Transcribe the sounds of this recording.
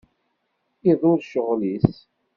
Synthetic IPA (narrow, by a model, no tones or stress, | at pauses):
iðˤʊɾʃəʁlis